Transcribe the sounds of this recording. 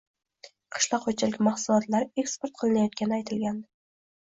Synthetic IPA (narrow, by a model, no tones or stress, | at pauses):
qʰɨ̥ʃlaqʰːot͡ʃʰɪlɪkʲmɑχsʊlˠɒt̪laɾe̞kspoɾt̪̚qʰɨlˠɪnajɒt̪kʲanɪajt̪ʰɪlɡʲand̪ɪ